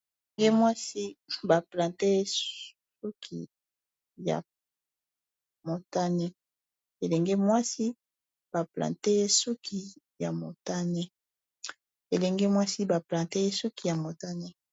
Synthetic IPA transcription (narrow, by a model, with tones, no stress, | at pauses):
e˨ŋɡe˦mwa˦si˦ba˨plã˨te˦ | su˦kʰi˨ | ja̰˨ | mo˨ta˦ne˦ | e˨lɛ˨ŋɡe˦mwa˦si˦ | b̥a˨plã̰˨te˦su˦kʰi˨ | ja˨mo˨ta˦ne˦ | e˨lɛ˨ŋɡe˦mwa˦si˦ba˨plã˨te˦e˦su˦ki˦ja˨mo˨ta˦ne˦